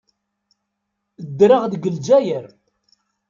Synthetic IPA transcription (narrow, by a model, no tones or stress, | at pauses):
d̪ːɾəʁðɡəld͡ʒæjəɾ